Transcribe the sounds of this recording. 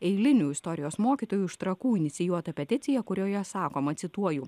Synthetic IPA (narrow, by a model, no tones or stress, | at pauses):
ɛɪlʲɪnʲuːɪst̪ɔɾʲɪjoːsmoːkʲiːt̪oːjuːɪʃt̪ɾɐkuːɪnʲɪt̪sʲɪjuɔt̪ɐpʲɛt̪ʲɪt̪sʲɪjɛkʊɾʲoːjɛsɑːkoːmɐt̪ʲsʲɪt̪uɔjuː